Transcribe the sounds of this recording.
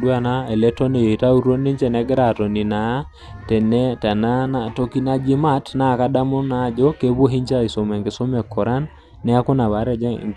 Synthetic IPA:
dwa˦na˦e˨lɛ˦tɔ˦ne˨e˨ta˦u˦ɾo˦ni˦ɲt͡ʃɛ˦˨nɛ˦ɡɾa˨tɔ˨ni˨na˨˦ | tɛ˨nɛ˦ta˨na˦na˦to˦ki˦na˦d͡ʒi˦ma˦tna˨ka˦da˦mo˦na˦˨d͡ʒɔ˦ke˦βo˦ɦi˦ɲt͡ʃa˦i˨so˨mɛ˨ŋɡɪ˨so˦mɛ˨kʰːɔ˨ɾa˦nː | ɛ˦a˦ko˦na˨βa˨˦ɾɛ˦d͡ʒɛ̰˦˨

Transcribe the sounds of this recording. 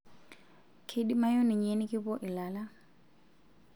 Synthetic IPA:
kʰe˦di˦ma˦jɔ˦ni˨ɲe˦ni˦kʼɪ˦pɔ˦ʔɪ˨la˨la˦

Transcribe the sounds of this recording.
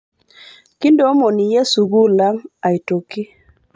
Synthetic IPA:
ki˦ndo˨˦mo˨ni˨je˦su˨ɡu˦la˦ŋa˨i˨to˨ki˦

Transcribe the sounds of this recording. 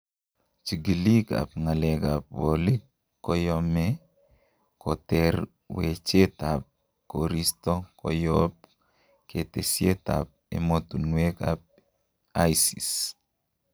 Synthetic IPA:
t͡ʃi˨ɡi˨li˦ka̰˨p̚ŋa˨lɛ˨ka˨p̚wo˨li˦kː | ɔjɔmɛ | kɔ˨t̪ɛɾ | we˨t͡ʃe˦tap̚ | koɾistɔ˦kɔ̰jɔp̚ | ke˨te˨sje˦ta̰˨p̚ḛ˨mot̪u˨nwe˦ka̰p̚ | ajsi˨s

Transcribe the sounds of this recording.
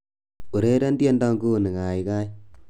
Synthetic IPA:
u˨ɾe˦ɾa˦ndje˦ndɔ˦ŋɡu˦˨ni˨ŋa˨i˨ka˦j

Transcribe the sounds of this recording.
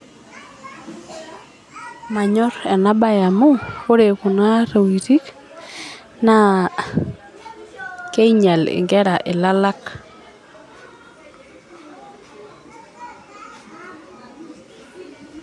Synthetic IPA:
ma˨ɲɔ˦ɾɛ˨na˦ba˦ja˨mu˦ko˦ɾe˨ku˨na˦ɾe˨wi˨ti˦k | na˦˨ | ke˦i˦ɲa˨lɪ̰˨ŋɡɛ˦ɾa˨ʔɪ˨la˦la˦k

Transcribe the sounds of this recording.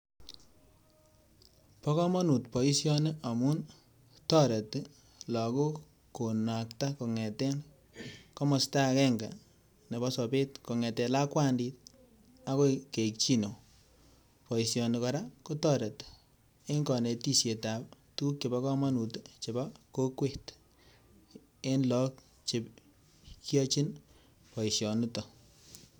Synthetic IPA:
pɔ˦kɔ˦mɔ˦nu˨tpɔ˨i˦sjɔ˦ne˦a˨mu˦n | tɔ˦ɾe˨t | la˨ko˦ | ko˨na˨kta˦ko˨ŋɛ˨tɛ˦n | kɔ˦mɔ˨sta˦kɛ˦ŋɡa̰˨ | ne˨bɔ˦sɔ˨pe˦t̚ko˨ŋɛ˨tɛ˨la˦kwa˦ndi˦t̚ | a˦ko˦ke˨k̚t͡ʃi˦no˨ | pɔ˨i˨sjɔ˨n˨kɔ˨ɾa˦ko˦tɔ˦ɾe˨t | e˦ŋkɔ˨ne˨ti˦sje˨ta˨p̚ | tu˦kt͡ʃe˨ba˦kɔ˦ma˦nu˨te˦t͡ʃe˨ba˦ko˦kwe˦t | e˦nlɔ˦k̚ | t͡ʃe˨p̚ | kjɔ˦t͡ʃi˦n | pɔ˨isjɔ˨ni˦tɔ˨

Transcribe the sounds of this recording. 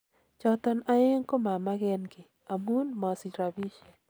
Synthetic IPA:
t͡ʃɔ˦t̪ɔ˦na˨e˦ŋko˦ma˨ma˦ɡɛ˦nɡe˨ | a˨mu˦nmɔ˨si˨ɾa˨bi˦ʃe˨

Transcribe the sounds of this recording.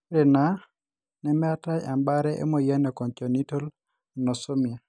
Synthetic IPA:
ɾɛ˨na˨˦ | nɛ˨mɛ˦a˦ta˦ja˨mba˦ɾɛ˦ʔḛ˦mɔ˨ja˦nɛ˨kɔ˨nt͡ʃɔ˨ni˦to˦l | nɔ˨sɔ˦mɪ˨a˨

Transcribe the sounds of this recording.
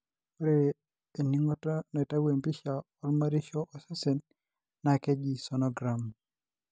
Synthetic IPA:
pɾeː˦˨ | ni˦ŋɔ˦tɔ˦n˨ɛ˨ta˦we˨mpi˦ʃa˨ | ɔ˦ɾma˦ɾi˦ʃɔ˦ʔɔ˨sa˦se˨nː | a˨kɛ˦d͡ʒi˨sɔ˨nɔ˦ɡɾa˨m

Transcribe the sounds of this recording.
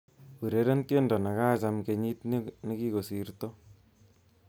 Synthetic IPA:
pu˨ɾe˨˦ɾe˦nke˦ndɔ˨na˨ka˦t͡ʃa˨mke˧ɲi˦tn˦ne˦ki˦ko˨si˨rto˦

